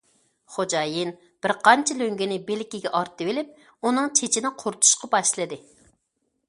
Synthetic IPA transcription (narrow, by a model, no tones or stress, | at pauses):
χod͡ʒɑːjin | b̥ɪɾqɑnt͡ʃʰɛløŋɡʲinɪbelɪkʲiɡʲɛʔɑɾt̪ːɨwelɪp̚ | unɨŋt͡ʃʰet͡ʃʰinɪqʰoɾt̪ʰu̥ʃqɑbɑʃlˠɨd̪ɨ